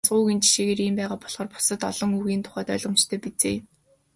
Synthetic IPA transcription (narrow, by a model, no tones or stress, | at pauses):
t͡sɢʊːɣint͡ɕʰi̥ʃeːɣeːɾimpæːʁaːpɔɮχɔːrpʊ̥sə̆t̪ɔ̰ɮɞ̆ŋuɣiːnt̪ʰʊ̥χœːt̪œ̰ːɮʁɞ̆mt͡ɕt̪ʰeːpit͡sḛː